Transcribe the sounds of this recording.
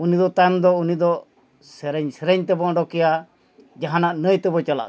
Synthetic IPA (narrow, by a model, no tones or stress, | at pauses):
unid̪ɔt̪ajmd̪ɔunid̪ɔ | sɛɾɛɲsɛɾɛɲt̪ɛbɔʔɖɔkɛja | d͡ʒaɦanaʔnəjt̪ɛbɔt͡ʃala̰